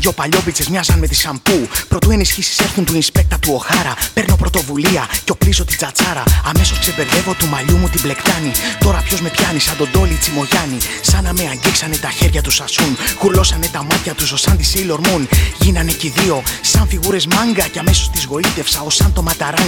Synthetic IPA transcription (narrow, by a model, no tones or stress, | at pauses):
o̞pɐʎo̞bit͡se̞zmɲɐzɐnme̞t̪i̥sɐmpupɾo̞t̪uenisçisi̥se̞ɾθunt̪uinspe̞k̚t̪ɐt̪uo̞xɐɾɐpe̞ɾno̞pɾo̞t̪o̞vuliɐceo̞plizo̞t̪id͡zɐt͡sɐɾɐːme̞so̞skse̞ve̞ɾðe̞vo̞t̪umɐʎumut̪ible̞kt̪ɐnit̪o̞ɾɐpço̞zme̞pçɐnisɐnd̪o̞d̪o̞lit͡simo̞ʝɐni | sɐnɐmeɐɲɟiksɐne̞t̪ɐçe̞ɾʝɐt̪usɐsunɣuɾlo̞sɐne̞t̪ɐmɐt̪çɐt̪uso̞sɐnt̪isejlo̞ɾmunʝinɐne̞ciðio̞sɐɱfiɣuɾe̞zmɐŋɡɐce̞ɐme̞so̞st̪izɣo̞it̪e̞fsɐo̞sɐnt̪o̞mɐt̪ɐɾɐn